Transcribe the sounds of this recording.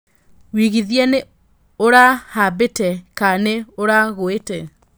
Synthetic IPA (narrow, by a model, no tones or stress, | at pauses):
wiɣiðjɛne | oɾahabetɛkaneoɾaɣoetɛ